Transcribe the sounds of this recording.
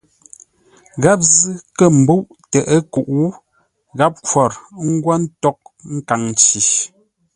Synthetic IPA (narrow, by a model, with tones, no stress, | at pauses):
ɣa˦p̬̚zɨ˦kə˦˨m̩˨bu˦ʔtə˨ʔə˦ku˨ʔwu˦ | ɣa˦p̚kwɔ˨ɾŋ̩˦ɡwa˦n̩˦tɔ˦k̚ŋ̩˦ka˨ŋ˨t͡ʃi˨